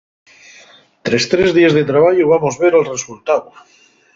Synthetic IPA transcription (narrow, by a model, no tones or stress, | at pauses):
t̪ɾest̪ɾezðiezðet̪ɾaβ̞aʝuβ̞amozβeɾalresult̪aðu